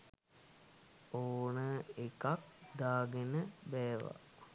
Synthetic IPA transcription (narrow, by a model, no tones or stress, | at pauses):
oːnəekak̚d̪aːɡenəbɛːʋa̰